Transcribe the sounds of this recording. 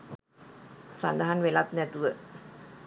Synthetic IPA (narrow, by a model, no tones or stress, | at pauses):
sand̪aɦanʋelat̪̚nɛt̪uʋə